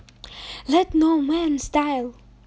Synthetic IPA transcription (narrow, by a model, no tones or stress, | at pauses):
lɛtnomɛ̃nstaɪlˠ